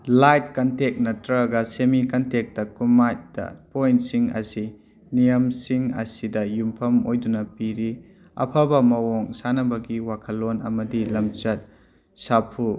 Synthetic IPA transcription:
lajt̚kɐntek̚nɐtɾɐɡɐsemikɐntek̚tɐkumajt̚dɐ̰pojntsiŋɐ̰si | nijɐmsiŋɐ̰sidɐjumpʰɐmojdunɐpiɾi | ɐ̰pʰɐbɐmɐwoŋsanɐbɐɡiwakʰɐlːonɐmɐdilɐmt͡ʃɐt̚ | sapʰu

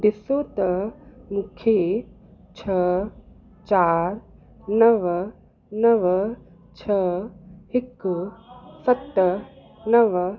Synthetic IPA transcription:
d̪isoːt̪əmukʰːe | t͡ʃʰə | t͡ʃaːɾ | nɐʋ | nɐʋ | t͡ʃʰəhikːusɐt̪ː | nɐʋ

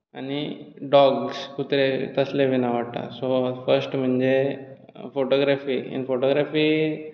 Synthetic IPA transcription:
añiɖɔɡskut̪ɾet̪əsleʋinaʋaɽt̪a̰sofəɾsʈm̤əɳd͡ze | foʈoɡɾafiːḭnfoʈoɡɾafiː

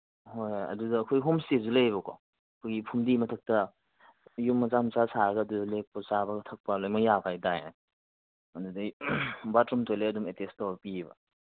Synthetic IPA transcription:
hojɐ̰dudɐːkʰojɦomsezulejβɐkɔ̰ | kʰojɡipʰumdimɐtʰɐk̚tɐ | jumːɐzamt͡ʃasaɾɐɡɐdudlek̚pɔsabɐɡtʰɐk̚palojmɐjabʰajdaje | ɐndudɐjbatɾumtojlajɐdumetestɔbpibɐ̰

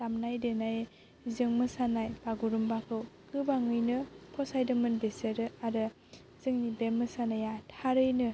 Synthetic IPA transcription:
lamnajdɯnaj | zɯŋmɯsanajbaɡuɾumbakʰɯw | kɯbaŋɯjnɯpʰɔsajdɯmɯnbeseɾɯaɾɯ | z̥ɯŋnibemɯsanajatʰaɾɯjnɯ

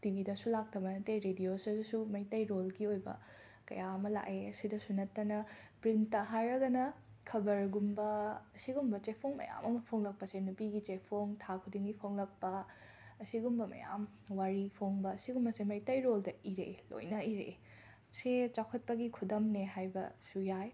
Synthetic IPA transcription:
tibidɐsulak̚tʰɐbɐnɐteɾediosɐsumɐjtɐjɾolɡiojbɐ̰ | kɐ̰jaɐmɐla̰keɐsidɐsunɐtːɐnɐpɾinttːɐɦajɾɐɡɐnɐ | kʰɐbɐɾɡumbɐɐsiɡumbɐt͡ʃepʰoŋmɐ̰ja̰mɐmɐpʰoŋlɐk̚pɐsenupiɡit͡ʃepʰoŋtʰakʰudiŋɡipʰoŋlɐk̚pɐ | ɐsiɡumbɐmɐ̰ja̰m | waɾipʰoŋbɐːsiɡumbɐsemɐjtɐjɾoldɐiɾḛlo̰jnɐiɾḛ | set͡ʃakʰɐt̚pɐɡikʰudɐmneɦajbɐ̰sujaj

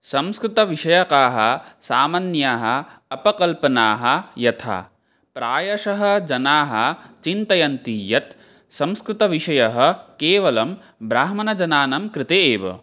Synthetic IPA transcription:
sɐmskɾɪt̪ɐʋiʂɐjɐkaːɦɐ̆saːmɐnjaːɦɐ̆ɐpɐkɐlpɐnaːɦɐ̆jɐt̪ʰa̰ː | pɾaːjɐʂɐɦɐ̆d͡ʒɐnaːɦɐt͡ʃint̪ɐjɐnt̪iːjɐt̪ | sɐ̃mskɾɪt̪ɐʋiʂɐjɐɦɐ̆keːʋɐlɐm | bɾaːɦmɐnɐd͡ʒɐnaːnɐmkɾɪt̪eeːʋɐ̰

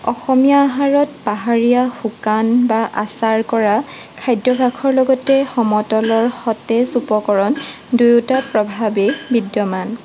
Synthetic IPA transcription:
ɔxɔmijaːɦaɹɔt̚paɦaɹijaxukanbaʔasaɹkɔɹa | kʰajdɹɔbʱakʰɔɹlɔɡɔtɛxɔmɔtɔlɔɹxɔtɛsupɔkɔɹɔn | dujutapɹɔbʱabebidjɔman

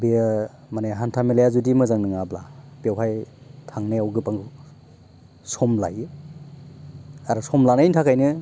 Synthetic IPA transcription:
be | maneɦantʰamelejazudimɯzaŋnɯŋablapewɦajtʰaŋneawɡɯpaŋɡɯ | sɔmla̰jɯ | aɾɔsɔmlanajntʰakʰajnɯ

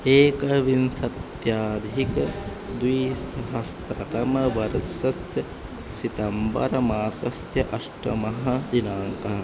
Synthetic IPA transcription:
eːkɐʋinsɐt̪ | jaːd̪ʱikɐ | d̪ʋiːsɐɦɐst̪ɾɐt̪ɐmɐʋɐɾɐsɐsjɐ | sit̪ɐmbɐ̰ɾɐmaːsɐsjɐʔɐʂʈɐmɐɦɐd̪inaːŋkɐɦɐ

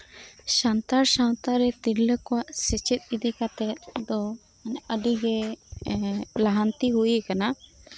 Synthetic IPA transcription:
sant̪aɾsaw̃t̪aɾɛt̪iɾləkɔwaʔsɛt͡ʃɛt̪̚ˀid̪ikat̪ɛt̪̚d̪ɔ | nəɖiɡɛ | laɦant̪iɦujikana

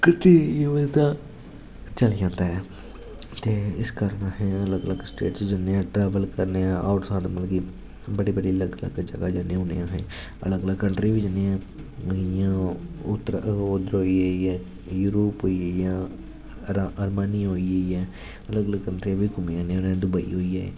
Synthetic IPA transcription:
kɪt̪eːeːʋəd̪t̪ãː | t͡ʃəld͡ʒãːnd̪aːɛː | t̪eːɪskəɾnaːɦɛ̃ːələɡələɡsʈḛːʈsd͡ʒɪnːeːãːʈɾɛːʋəlkəɾneːãːʔaːʊʈsaːɖməlɡiː | bəɽiːbəɽiːələɡələ̰ɡd͡ʒə̰ɡaːd͡ʒənẽʊnḛãːɦɛ̃ːə̰ləɡələɡkəɳʈɾiʋid͡ʒɪnːeãː | jãːʊt̪ɾʊd̪əɾɦoːieiɛː | juːɾoːpɦoːiejãː | əɾmaːnĩɦoːieiɛː | ələɡələɡkəɳʈɾiãːbiːkʊmejãːneʊñːd̪ʊbəḭɦoːiːɛː

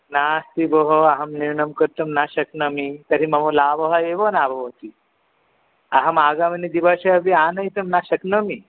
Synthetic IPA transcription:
nast̪iboɦoaɦɐmniɾɳəmkəɾt̪umnaɕɐknɐmit̪ɐɾimɐʋolaːʋɐɦaeʋonaːbʱɐʋot̪i | aɦɐmaːɡaʋɐnid̪ibaɕeɐbianɐjt̪əmnaɕəknəmi

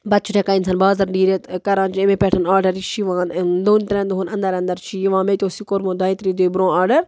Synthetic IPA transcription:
bɐt͡ʃʰuʈʰekaːinsɐːnbaːzɐɾɖiːɾet̪kɐɾãːt͡ʃiemepɛʈʰɐnaːɖɐɾiʃʰiʋãːnd̪oːnt̪ɾẽnd̪oɦonɐnd̪ɐɾɐ̃nd̪ɐɾt͡ʃʰijiʋãːmet̪oːsikoɾmõd̪aːit̪ɾid̪oːbɾõːaːɖɐɾ

